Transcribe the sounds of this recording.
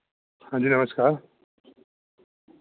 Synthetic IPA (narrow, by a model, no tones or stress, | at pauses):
hãnd͡ʒiːnɐməskaːɾ